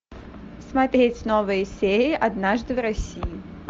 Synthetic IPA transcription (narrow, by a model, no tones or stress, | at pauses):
smat̪ɾʲet͡sʲnɔvɨjəsʲeɾʲɪʔɐd̪naʐd̪ɨvɾɐsʲiji